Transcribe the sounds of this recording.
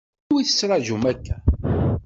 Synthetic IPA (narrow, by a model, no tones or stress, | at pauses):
wiθə̥sːɾˤɑʒumækːæ